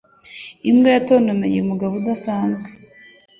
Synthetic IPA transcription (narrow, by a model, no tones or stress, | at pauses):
imɡejatoːnomejeumuɡaβudasaːnzɡwe